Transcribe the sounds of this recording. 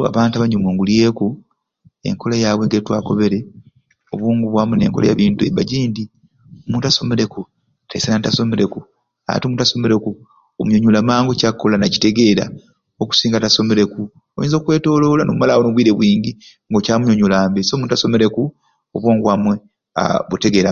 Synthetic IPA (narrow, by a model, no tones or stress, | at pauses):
a̰βaːntaβaɲomwoːŋɡulie̞ːku | e̞̰ŋkʰolajaːβweɡetwaːko̞̰βe̞ɾe̞ | oβuːŋɡuβwamwene̞̰ːŋkola̰ja̰βiːntuḛβba̰ɟiːndi | omuːntaso̞me̞ɾe̞ku | tʰaisenanitaso̞me̞ɾe̞ku | a̰a̰tiomuːntaso̞me̞ɾeku | omuɲoɲulamaːŋɡocakːolanaci̥te̞ɡe̞ɾa̰ | oku̥siːŋɡataso̞me̞ɾe̞ku | ojḭːnzokwe̞ːto̞lo̞lanoβumalawonoβwiːɾeβwiːɲɡi | ŋɡocaːmuɲoɲulaːmbeso̞muntaso̞me̞ɾe̞ku | oβwoːŋɡwamwe | a̰βute̞ɡe̞ɾa